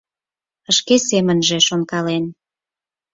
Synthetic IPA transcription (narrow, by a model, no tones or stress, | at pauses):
əʃkesemənʒĕʃonkɑlen